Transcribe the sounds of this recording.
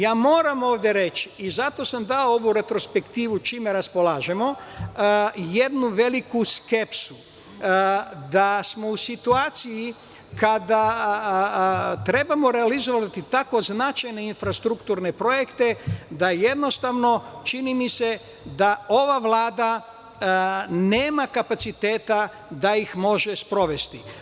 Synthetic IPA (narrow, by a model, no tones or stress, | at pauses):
jaːmo̞ːɾamo̞ːʋd̪je̞ɾe̞t͡ʃiizat̪o̞samd̪aoo̞ʋuɾe̞t̪ɾo̞spe̞kt̪iːʋut͡ʃimeɾaspo̞laːʒe̞mo̞ | jed̪nuʋe̞likuske̞psu | d̪asmo̞usit̪uaːt̪siji | kad̪a | t̪ɾe̞bamo̞ɾealizo̞ʋat̪it̪ako̞znat͡ʃajne̞infɾast̪ɾukt̪uɾne̞pɾo̞jekt̪e̞d̪aje̞d̪no̞st̪aʋno̞t͡ʃinimise̞ | d̪ao̞ʋaʋlˠaːd̪a | ne̞ːmakapat̪sit̪e̞ːt̪a | d̪aixmo̞ʒespɾo̞ʋe̞st̪i